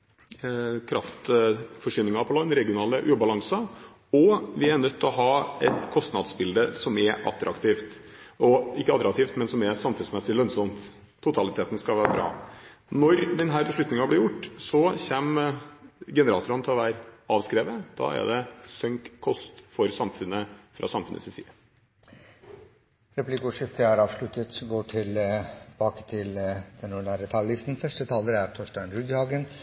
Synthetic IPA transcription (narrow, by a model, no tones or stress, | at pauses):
kʰɾɑft̪fɔʂʏnɪŋɑpʰɔlɑnɾɛɡɪʊnɑːləʔʉːbɑlɑŋsɑ | ɔʋɪæɳœt̪ʰːɔɦɑːɛt̪kʰɔst̪nɑd̪sbɪld̪əsɔmɛɾʔɑ̰t̪ːɾɑ̰kt̪ʰiːft̪ʔɔɪkːəɑt̪ɾɑkt̪iːft̪mɛnsɔmɛɾsɑmfʉnsmɛsɪlœnsɔmt̪ʰː | ʊt̪ʰɑlɪt̪ʰeːt̪ən̩skɑʋæːɾəbɾɑ̰ːnɔɾd̪ɛnɦæːɾbəʂɭlʉt̪nɪŋɑblɪɾjʊʈːsɔçeːm | ɡɛnəɾɑːt̪ʊɾənt̪ʰɪlɔʋæːɾɑːʋskɾeːʋəd̪̥ɑ̰ːæ̰ɖ̪ɛsœŋkʰːɔst̪fɔɾsɑmfʉnəfɾʔɑ̰sɑmfʉnʔə̰sɪsḭːə | ɾɛpʰlikʊʂɪft̪əhæːɾɑːʋslʉt̪ət̪ɡoːʈʰɪlb̥ɑːkə̥t̪ʰɪld̪̥ɛnuːɳæːɾət̪ʰɑːllɪst̪n̩fœʂʈət̪ʰɑːləɾæɾt̪ʰɔʂʈæɪnɾʉɡ̪hɑːɡən